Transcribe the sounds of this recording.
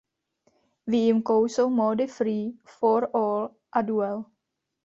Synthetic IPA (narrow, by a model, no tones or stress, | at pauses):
viɪmkowsomodɪfɾiːfɔɾɔːl | ʔaduɛl